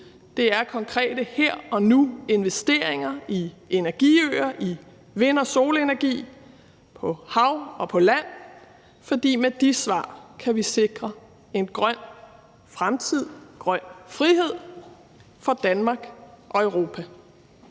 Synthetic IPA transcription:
d̥e̝æɐkʰɒ̽ŋkʰʁɛ̰ːd̥əheɐ̰ɒ̽nue̝nʋesd̥e̝ɐ̰eŋɐie̝næɐɡ̥ḭːø̰ːɐʔi | ʋe̝nɒ̽so̝ːləenæɐɡ̥ḭː | pʰɒ̽hɑ̈ʊɒ̽pʰɒ̽læn̰ | fɒ̽d̥ḭːmed̥isʋɑ̰̈ːkʰæʋise̝ɡ̥ʁɐ | e̝nɡ̥ʁɶn̰ | fʁamt͡sʰið̞̰ˠɡ̥ʁɶn̰fʁiɦe̝ð̰ˠ | fɒ̽d̥ænmɑ̈ːɡ̥ʔɒ̽øʊʁo̝ːpʰæ

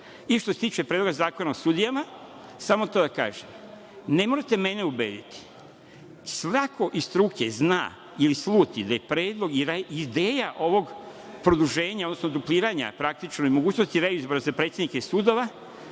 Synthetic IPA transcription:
iʃt̪oset̪iːt͡ʃe̞pɾed̪lo̞ɡazaːko̞naosuːd̪ijama | samot̪o̞d̪aka̰ːʒem | ne̞mo̞ɾet̪e̞me̞ne̞ubeːd̪it̪i̥ | sʋako̞ʔist̪ɾukezna̰ː | ilisluːt̪id̪aje̞pɾe̞ːd̪lˠo̞ɡiɾaid̪e̞ːjaʔo̞ʋo̞ɡpɾod̪uʒe̞ːɲaod̪nosnod̪uplʲiːɾaɲa̰pɾakt̪it͡ʃnoimo̞ɡuːt͡ɕno̞st̪iɾaizbo̞ɾazapɾe̞t̪sʲjed̪nikeisuːd̪o̞ʋa

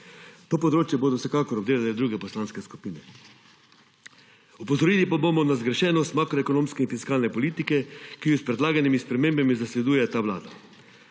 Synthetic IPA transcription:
t̪oːpɔd̪ɾoːt͡ʃjɛboːd̪ɔwsɛkaːkɔɾɔbd̪eːlalɛd̪ɾuːɡɛpɔslanskɛsku̥piːnɛ | upɔzɔɾilipabomɔnazɡɾɛʃɛːnɔst̪maːkɾɔɛkonoːmskɛinfiskaːlnɛpɔliːt̪ikɛkijɔspɾɛd̪laːɡanimispɾɛmeːmbamizaslɛd̪uːjɛt̪aːʋla̰ːd̪a

